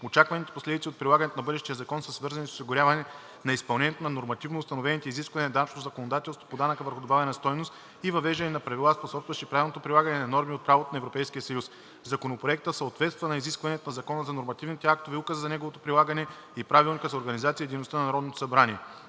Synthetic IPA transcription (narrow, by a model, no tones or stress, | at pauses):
ot͡ʃakvɐnit̪ɛ̥poslɛd̪it̪siot̪̚pɾilˠaɡənɛt̪onɐbɤd̪ɛʃt̪ijəzɐkɔnsəsvɤɾzɐnʲiso̥siɡʊɾʲavɐnɛ | nɐispɐlˠnɛnʲjɛt̪onɐnoɾmɐt̪ivnoːst̪ɐnovɛnit̪ɛiziskvɐnɛnɐd̪anɐt͡ʃnot̪ozɐkonod̪at̪ɛlˠst̪vo̥pod̪anəkəvəɾxʊd̪obavɛnɐst̪ɔjnost̪ | ivɐvɛʒd̪ɐnɛnɐpɾɐvilˠasposɔpst̪vɐʃipɾavʲilnot̪opɾilˠaɡɐnɛnɐnɔɾmiot̪̚pɾavot̪onɛvɾopɛjskijəsɐjus | zɐkonopɾoɛk̚t̪əfsəot̪vɛt̪st̪vɐnɐiziskvɐnɛt̪onɐzɐkɔnəzɐnoɾmɐt̪ivnit̪ɛak̚t̪ovɛukəzəzɐnɛɡovot̪opɾilˠaɡɐnɛ | ipɾavilˠnʲikəzɐoɾɡɐnizat̪siəd̪ɛjnost̪ənɐnɐɾɔd̪not̪o̥sɐbɾaniɛ